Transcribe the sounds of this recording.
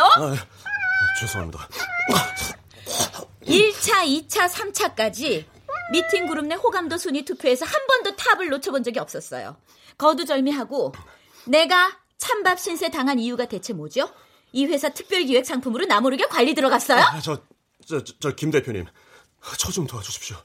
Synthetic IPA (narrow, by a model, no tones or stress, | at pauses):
o | t͡ɕosʰoa̰mida̰ | iɭt͡ɕʰait͡ɕʰasʰamt͡ɕʰak͈ad͡ʑi | mitʰiŋɡuɾɯmnehoɡamdʌsʰoɲitʰupʰjoe̞sʰʌhambʌndotʰabɯɭːot͡ɕʰʌbond͡ʑʌɡiʌp̚s͈ʌs͈ʌ̰jo̰ | kʌdud͡ʑʌɭmiɦaɡo | ne̞ɡa | t͡ɕʰambap̚ɕ͈ʰinsʰe̞taŋɦanijuɡade̞t͡ɕʰe̞mod͡ʑo | iɸwe̞sʰatʰɯ̥k̚p͈jʌɭɡiwe̞k̚s͈ʰaŋpʰɯmɯɾonamoɾɯɡekwaʎːidɯɾʌɡas͈ʌjot͡ɕʌ | t͡ɕʌkimde̞pʰjoɲḭm | t͡ɕʰʌd͡ʑumtʰoad͡ʑuɕʰi̥pɕo